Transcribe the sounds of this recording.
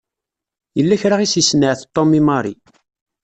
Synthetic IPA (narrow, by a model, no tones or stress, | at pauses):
jəlːæçɾaʁisisnəʕθt̪ˤːomimɑɾˤḭ